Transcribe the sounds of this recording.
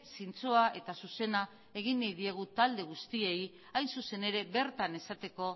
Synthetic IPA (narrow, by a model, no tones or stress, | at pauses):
sint͡soaʔe̞t̪asuse̞na | e̞ɣ̞inːejðieɣ̞ut̪ald̪e̞ɣ̞ust̪ie̞j | ajnsuse̞ne̞ɾe̞be̞ɾt̪ane̞sat̪e̞ko̞